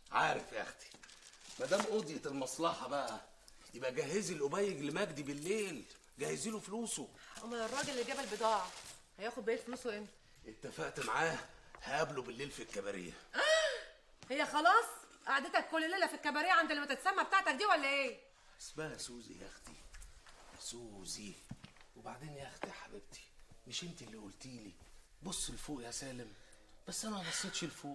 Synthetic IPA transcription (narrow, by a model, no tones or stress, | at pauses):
ʕaːɾefʔæ̰xt̪i̥ | mæd̪æːmʔod̪jet̪elmɑsˤlɑħɑbæʔæ | jebʔæɡæɦːezilʔobæjːeɡlemæɡd̪ibelːeːl | ɡæhːeziːlofluːsoumenerˤːɑːɡelelɡæbælbed̪ɑːʕɑ | hæjæːxod̪beʔeːlfoluːsowʔen | ʔet̪ːæfæʔt̪maʕaːhhæʔæblobelːeːlfilkːæbæɾḛjːæ̰ | hejːæxɑlɑːsˤ | ʔaʕad̪et̪ækːolːelːeːlːæfekːæbæɾejːæʕand̪lːæmæt̪et̪sæmːæbet̪aʕt̪æk̚d̪iːwælːæʔeː | ḁsbæʔæsuːzḭjæ̰xd̪i | suziwebaʕd̪eːnjæxd̪iħabeb̚t̪ʰi̥meʃʔent̪ielːiʔolt̪iːli | bosˤːelfoːʔjæsæːlem | b̥æsːʔænæmæbɑsˤːet̪ˤʃelfoːʔ